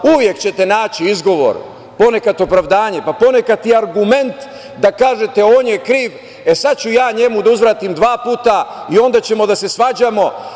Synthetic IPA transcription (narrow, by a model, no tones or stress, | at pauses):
uʋje̞kt͡ɕe̞t̪e̞naːt͡ɕiizɡo̞ʋo̞̰ɾ | po̞ne̞kat̪o̞pɾaʋd̪aːɲe̞papo̞ne̞kat̪iaɾɡume̞nt̪ | d̪akaːʒe̞t̪e̞o̞ːnje̞kɾiːʋ | e̞sat̪̚t͡ɕujaːɲe̞mud̪auzʋɾaːt̪imd̪ʋaːpuːt̪aio̞nd̪at͡ɕe̞mo̞d̪ase̞sʋaːd͡ʑamo̞